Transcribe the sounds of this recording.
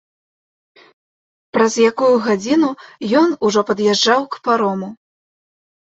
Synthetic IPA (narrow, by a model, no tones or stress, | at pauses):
pɾɐzjakujuɣad͡zʲinujɔnuʐɔpɐd̪jɛʐd͡ʐawkpaɾɔmu